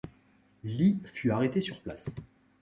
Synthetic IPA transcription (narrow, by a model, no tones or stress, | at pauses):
lifyaʁet̪esyʁplas